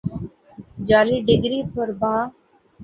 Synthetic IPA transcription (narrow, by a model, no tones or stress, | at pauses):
d͡ʒaːliːɖɪɡɾiːpəɾbaː